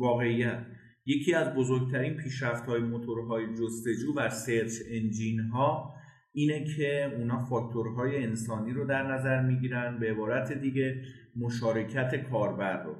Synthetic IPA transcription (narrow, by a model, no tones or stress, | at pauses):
vɒːɣe̞ijæt̪ʰ | je̞cʰiːæzbozo̞ɾɡ̚t̪ʰæɾiːnpʰiːʃɾæft̪hɒːjemot̪ʰo̞ɾɦɒːjed͡ʒost̪e̞d͡ʒuːvæse̞ɾt̪ʰend͡ʒinɦɒː | iːne̞cʰe̞uːnɒːfɒːk̚t̪ʰo̞ɾɦɒːje̞ːnsɒːniːɾod̪æɾnæzæɾmiːɟiːɾænd̪beːbɒːɾæt̪ʰe̞d̪iːɟe̞ | moʃɒːɾe̞cʰæt̪ʰe̞kʰɒːɾbæɾːo